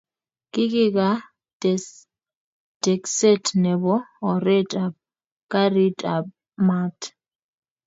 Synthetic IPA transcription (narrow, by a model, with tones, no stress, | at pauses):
kʼi˦kʼi˦k̬a˦ | d̥ɛ˨ksɛ˦tʰnɛ˨βɔ˦ɔ˨ɾɛ˦tʼa˨ | kʼa˦ɾi˦tʼa˨ | ma˦tʰ